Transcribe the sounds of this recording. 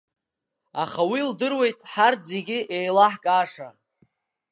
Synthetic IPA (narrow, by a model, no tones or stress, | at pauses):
aχawildɨrwe̞jtʼħard͡zeɡʲɪʔejlaħkʼaːʂa